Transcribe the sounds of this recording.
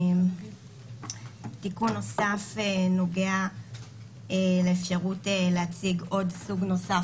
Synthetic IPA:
m | tikunːo̞safeno̞ɡea | ele̞ːfʃaʁuteleat͡siɡo̞dsuɡno̞sa

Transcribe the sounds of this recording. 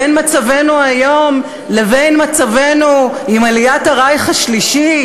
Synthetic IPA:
enmat͡save̞nuajo̞m | le̞vejnmat͡save̞nu | imalijataʁajχaʃliʃi

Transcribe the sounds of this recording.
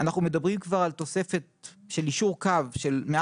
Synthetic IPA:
anaχnume̞d̪abʁimkvaʁalt̪o̞se̞fet̪̚ʃe̞liʃuʁkavʃe̞lme

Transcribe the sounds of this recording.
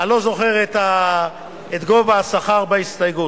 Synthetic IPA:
alo̞zo̞χe̞ʁet̪a | et̪ɡo̞vaasaχaʁbaist̪ajɡut

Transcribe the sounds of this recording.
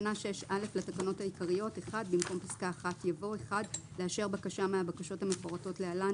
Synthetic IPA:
naʃeʃale̞flatakano̞thaikaʁijo̞te̞χadbimko̞mpiskaːχatjavo̞e̞χadleaʃe̞ʁbakaʃameabakaʃo̞thamefoʁato̞tlealan

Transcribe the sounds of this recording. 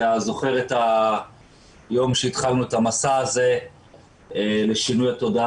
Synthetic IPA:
azo̞χe̞ʁet̪a | jo̞mʃeit̪χalnuet̪amasaːze̞ | le̞ʃinujat̪o̞da

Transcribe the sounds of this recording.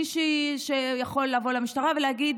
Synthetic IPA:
iʃiʃejaχo̞lːavo̞leamiʃt̪aʁavelehaɡid̪

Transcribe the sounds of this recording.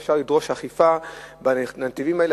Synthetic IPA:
fʃaʁlidʁo̞ʃhaχifabanativimaele

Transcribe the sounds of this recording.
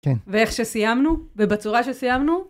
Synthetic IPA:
kenvee̞χʃe̞sijamnuvebat͡suʁaʃesijamnu

